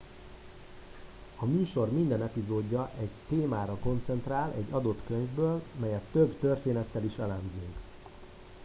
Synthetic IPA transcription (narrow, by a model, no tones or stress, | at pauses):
ɒmyːʃo̞rmind̪ɛnɛpizoːɟːɒʔɛɟt̪eːmaːɾɒko̞nt̪sɛnt̪raːlɛ̰ɟːɒd̪o̞t̪køɲvbøːlmɛjɛt̪ːøbt̪ørt̪eːnɛt̪ːɛliʃɛlɛmzyŋk